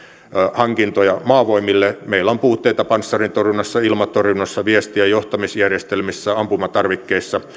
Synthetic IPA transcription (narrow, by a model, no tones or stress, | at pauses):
hɑŋkint̪ojɑmɑːʋoimilːemeilːˑæompuːt̪ːeit̪ɑpɑnsːɑrint̪orjunːɑsːɑilmɑt̪orjunːɑsːɑʋiest̪iæjoht̪ɑmisjærjest̪elmisːæɑmpumɑt̪ɑrʋikːeisːɑ